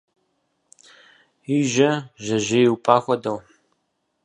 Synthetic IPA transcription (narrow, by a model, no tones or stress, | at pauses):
iːʒɐʒɐʒɐjwpʼaːxʷɔdɐw